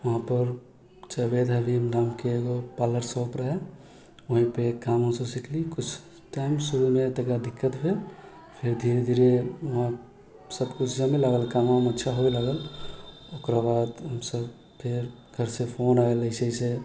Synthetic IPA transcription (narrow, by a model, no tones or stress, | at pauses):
ʋəɦãpəɾ | t͡ʃəbed̪ɦɛbʱimnaːmkeɡopaːləɾsoːpɾəɦe | oɦĩpekaːmɦõsosikʰlikʊt͡ʃʰ | ʈaːɪmsuɾumẽt̪əɡɾad̪ɪkːət̪bʱe | pʰɪɾd̪ʱiːɾed̪ʱiɾeʋɐɦã | səbkud͡ʒãmelaɡəlkamɦmətːʃʰaɦoiləɡəl | okɾabaːd̪ɦəmsəb | pʰɪɾ | ɡʱəɾsepʰoːnaeləɪsəise